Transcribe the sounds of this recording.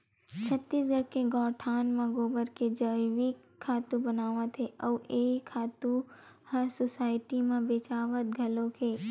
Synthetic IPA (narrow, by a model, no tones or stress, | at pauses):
t͡ʃʰət̪ːisɡʱəɾkeɡɔːʈʰaːnmɐ̃ɡoːbəɾked͡ʒəʋikʰːaːt̪ũbənaːʋãt̪ʰeʔɔːeːkʰːaːt̪ũ | hãsosaːɪʈimãbeːt͡ʃaːʋət̪̚ɡʱɐlõkʰeː